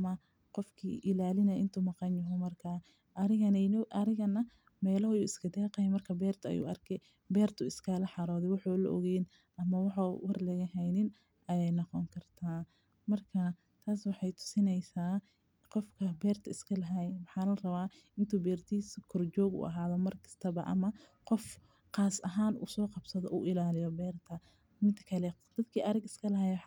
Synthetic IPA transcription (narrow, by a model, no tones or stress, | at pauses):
ɐmɐ | qɔfkʰḭːʔɪlaːlɪnɐʔɪ̰nt̪ʰumɑqɑnjɐɦʊmɐrkʰaː | ʔɐɾɪɣɐnnʔɐɾɪɣɐnɐ | mɛːlɔhjuːɪskʰɐd̪ɛːqɑjɛmɐrkʰɐbɛːrt̪ʰɐɐ̰jṵːɐrkʰɛ | bɛːrt̪ʰʊɪskʰɐlɐħɑɾɔːðɛwɑħɔːlɐ̰ʔɔ̰ɣɛːn | ʔɐmɐwɑħawɐrlɛɣɐɦɛjnɪn | ʔɐjɛjnɐqɔŋkʰɐrt̪ʰaː | mɐrkʰɐ | t̪ʰaːswɑħɑjt̪ʰʊ̥sɪnɛjsaː | qɔfkʰɐbɛːrt̪ʰɐɪskʰɐlɦajwɑħɑːlɐrɐβaː | ɪnt̪ʰuːbɛːrt̪ʰiskʰɔrt͡ʃɔːɡṵːʔɐ̰ɦaːðɔmɐrkʰɐ̥st̪ʰɐβɐʔɐ̰mɐqɔf | qɑːsɐɦaːnṵːsɔːqɑbsɐðɔʔuːʔɪlaːlɪjɔbɛːrt̪ʰɐ | mɪnt̪ʰɐ̥kʰɐlɛd̪̥ɐd̪kʰiːʔɐɾɐɡɪskʰɐlɐɦaj